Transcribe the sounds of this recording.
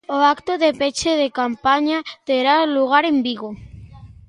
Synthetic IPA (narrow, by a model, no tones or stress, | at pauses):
oakt̪oðepet͡ʃeðekampaɲat̪eɾaluɣ̞aɾembiɣo